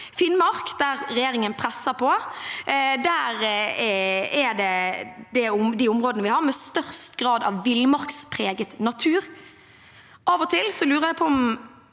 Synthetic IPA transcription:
fɪnmɑʁkd̪æɾɾɛjeːɾɪŋənpʰɾɛsːəpʰɔ | d̪æːɾ | ɛd̪ɛd̪ɛʊmd̪iːʊmʁoːd̪ənəʋɪhɑɾmɛst̪œʁst̪ɡʁɑːd̪ɑ̰ʋːɪlmɑʁkspʰɾeːɡət̪nɑt̪ʰʉːʁ | ɑːʋɔt̪ʰɪlsɔlʉːɾʁəɾjæpʰɔɔm

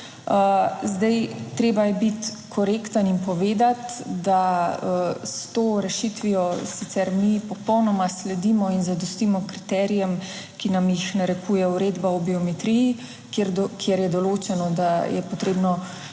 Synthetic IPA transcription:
əzd̪ajt̪ɾeːbajɛbit̪kʰɔɾeːkt̪ənimpɔʋeːd̪at̪d̪aəst̪oːɾɛʃit̪ʋijɔsit̪sɛɾmipɔpɔwnɔmaslɛd̪imɔinzad̪ɔst̪imɔkɾit̪ɛːɾijɛm | kinamjixnaɾɛkuːjɛuɾeːd̪baɔbiɔmɛt̪ɾiji | kɾkʰjɛɾjɛd̪ɔloːt͡ʃɛnɔd̪ajɛpɔt̪ɾeːbnɔ

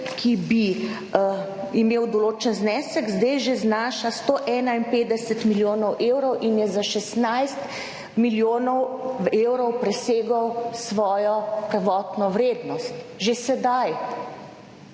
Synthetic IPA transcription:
kʰibi | imeːwd̪oloːt͡ʃənznɛːsəɡzd̪ɛjʒeznaːʃast̪oʔɛːnainpeːd̪ɛsɛt̪miljoːnɔwʔeːwɾɔwʔinjɛzaʃɛsnajst̪ | miljoːnɔweːwɾɔwpɾɛseːɡəwsʋɔːjɔpɾəʋɔːt̪nɔʋɾeːd̪nɔst̪ʒesɛd̪aj

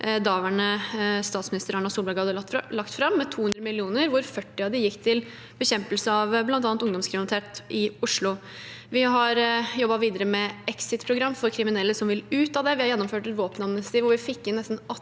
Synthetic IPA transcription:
d̪ɑːʋæɳəst̪ɑːt̪smɪnɪst̪əɾɑɳɑsuːlbɑɾɡhɑd̪əlɑkt̪fɾɑmːɛt̪ʰuːhʉnɾəmɪlːɪuːnəɾʋʊɾfœʈːɪɑd̪ɪjɪkːt̪ʰɪl | bəɕɛmpəlsəɑʋblɑnɑːnt̪ʊŋd̪ɔmskʰɾɪmnɪt̪ʰeːt̪ʔɪʊʂɭʊ | ʋɪɦɑɾjɔbːɑʋiːd̪əɾəmɛɛksɪt̪pʰɾʊɡɾɑmːfɔɾkʰɾɪmɪnɛlːəsɔmʋɪlʉːt̪ɑːd̪ɛʋɪhɑɾjɛnːɔmføːʈɛt̪ʋoːpənɑd̪mnɪsɑt̪iːʋʊʋɪfɪkːɪnːɛst̪n̩ɑ

